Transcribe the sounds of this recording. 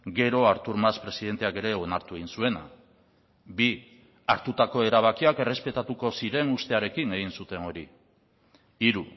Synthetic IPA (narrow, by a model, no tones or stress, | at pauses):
ɡe̞ɾo̞aɾt̪uɾmaspɾe̞siðe̞nt̪e̞ake̞ɾe̞o̞naɾt̪ue̞ɣ̞insue̞na̰ | bi | aɾt̪ut̪ako̞e̞ɾaβakiake̞re̞spe̞t̪at̪uko̞siɾe̞nust̪e̞aɾe̞kine̞ɣ̞insut̪e̞no̞ɾḭ | iɾu